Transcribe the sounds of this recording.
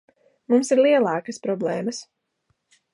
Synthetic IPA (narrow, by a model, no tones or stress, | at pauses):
mumsiɾlˠiɛlˠɑːkəspɾɔblˠɛːmɐs